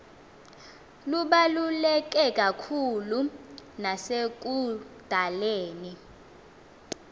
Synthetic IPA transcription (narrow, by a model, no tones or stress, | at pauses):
luɓalulɛk̬ʼɛkʼakʰulunasek̬ud̥ʱaleːni